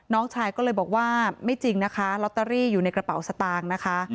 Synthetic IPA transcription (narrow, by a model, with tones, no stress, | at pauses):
nɔː˦˥ŋt͡ɕʰaː˧jkɔː˥˩ɤː˧jbɔː˨˩k̚waː˥˩ma˥˩jt͡ɕi˧ŋna˦˥kʰa˦˥lɔ˦˥t̪ːaː˧ɾiː˥˩juː˨˩na˧jkɾa˧pa˨˩˦wsa˧t̪aː˧ŋna˦˥kʰa˦˥